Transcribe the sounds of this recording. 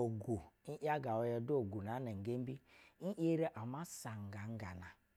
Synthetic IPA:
o˨ɡu˨n̩˦ʔja˦ɡa˨wo˦jɔ˦do˨ɡu˨na˨˦na˨ŋ̩˨ɡe˦m̩˦bi˦n̩˦ʔe˦ɾe˦ʔa˨ma˦sa˨ŋ̩˨ɡa˨ŋ̩˦ɡa˨na˨

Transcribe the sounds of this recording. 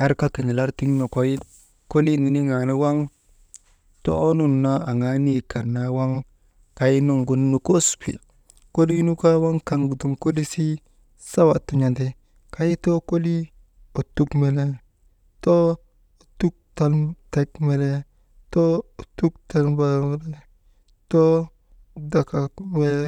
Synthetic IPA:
a˦ɾka˦ki˨ni˨la˦ɾti˦ŋ˦no˨ko˦ji˦ | ko˦li˦˨ni˨ni˦ŋa˨ni˦wa˦ŋ | to̰˦o˦nu˨nːa˦a˨ŋa˦ni˦ka˨na˦wa˦ŋ | ka˨ji˦no˦˨ŋɡu˨n˦nu˨ko˦spḭ˨ | ko˦li˦nu˦ka˦wa˦ŋka˨ŋɡu˨tu˨ŋko˦li˦si˦ | sa˦wa˨tu˨ɲa˨nde˨ | ka˦ji˦to˦ko˦li˦ | o˨tu˦kme˨le˦ | to˦˨ | tu˦k̚ta˨lte˦kme˨le˦ | to˦˨tu˦kta˦lba˦me˦le˦ | to˦ | da˨ka˨mwe˦

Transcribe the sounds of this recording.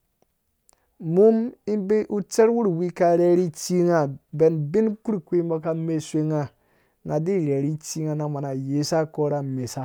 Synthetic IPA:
mu˦mi˦be˦ʔu˦t͡se˦ɾwu˦ɾwi˦ka˧ɾe˦ɾi˦t͡si˦ŋa˨be˨nbi˦nku˦ɾkʷe˦mo˧ka˧me˨sʷe˧ŋa˨ | ŋa˨di˦˨ɾe˨ɾi˦t͡si˧ŋa˨na˨ma˨na˨je˨˦sa˦ko˦ɾa˨me˨sa˦

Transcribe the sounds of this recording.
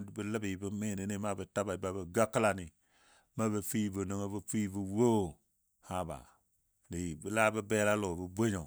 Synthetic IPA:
bə˦lə˦bi˨bə˦me˦˨ne˨˦ne˦ma˦bə˨ta˦ba˨i˨ba˨bə˨ɡa˦kə˦la˨ni˨ | ma˦bə˨fi˦bə˨no˨ŋo˦bə˦fi˦bu˨wo˦˨ | ha˦ba̰˨ | ni˨ji˨bi˦la˦bə˦be˦la˦lo˨bə˨bʷe˦ɲo˨

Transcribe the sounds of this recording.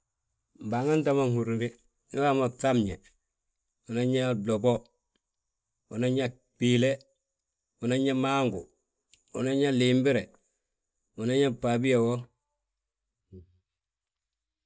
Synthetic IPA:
mba˨ŋa˦ntama˦ŋhu˨ɾnɡi | ni˦wamotamɲe˨ | u˨naɲa˦dobo˦ | u˨na˦ɲa | pile˦ | una˦ɲamaŋɡu | u˨na˦ɲa˦limbi˦ɾe˨ | u˨na˦ɲa˦pabi˦jawo˦

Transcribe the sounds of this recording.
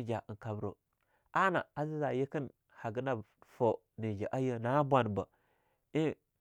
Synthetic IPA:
d͡ʒa˨ə˨ŋka˨bɾo̰˨ | a˦na̰˨a˨zi˦za˨jə˦kə˦n | ha˨ɡə˦na˦˨ | fo˨ | ni˨d͡ʒa˨ʔa˦jə˦na˨˦bʷa˨n˨bə˨ | i˦

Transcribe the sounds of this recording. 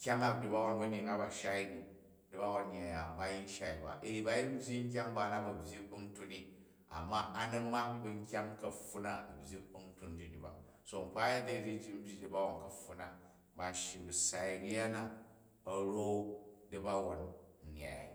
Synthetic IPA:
kʲa˦ŋa˦k̚di˨ba˦wo˨˦nbɐ˦ɲi˨ŋa˦ba˨ʃa˦i˦ni˨ | di˦ba˦wo˦n˦ɲ˨a˨ja˨ba˦ji˦n˦ʃa˦i˨ba̰˨ʔe˨i˨ba˨˦ji˦m̩˦bʲji˦ŋ̩˦k̬ʲa˦ŋba˨˦na˦bɐ˨bʲji˦k̚u˦n˦tu˦ni˦ | a̰˨mːa˦a˦nɐ˦ma˦kbi˦ŋ˦kʲa˦ŋkɐ˨ɸu˦na˦˨bʲji˦k̚u˦n̩˦tu˦nd͡ʒi˨ni˨ba̰˨ | so˨m̩˨k͡pa˦ja˦da˦i˨d͡ʒi˦d͡ʒi˦m̩˦bʲi˦di˨ba˦wa˨nkɐ˨ɸu˨˦na˦ | ba˨ʃi˨bɨ˨sa˨i˨ni˦ja˦na˦ | ɐ˨ɾo˦di˦ba˦wo˨n̩˨ɲ˨a̰˨j̰

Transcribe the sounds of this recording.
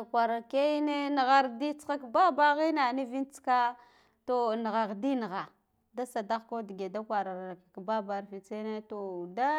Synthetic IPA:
a˨kʷa˨ɾa˨ke˦ne˦nə˨ɣa˦ɾdi˦t͡sxa˦kba˦ba˦ɣi˦na˨ni˦vi˦nt͡ska˦ | to˨nə˨ɣa˨ɣdi˦nə˨ɣa˨ | da˦sa˨da˦ɣko˦di˨ɡe˨da˦kʷa˨ɾa˨ɾa˨ka˨kba˦ba˨ɾfi˨t͡se˦ne˦to˨da˦

